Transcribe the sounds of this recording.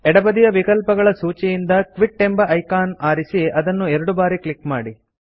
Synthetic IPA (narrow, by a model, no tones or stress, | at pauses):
ɛɽɐbɐd̪ijɐʋikɐlpɐɡɐɭɐsuːt͡ʃijind̪ɐkʋiɖ̚ʈembɐʔɐjkaːnaːɾisiɐd̪ɐnːuɛɾɐɽubaːɾikɭikmaːɽi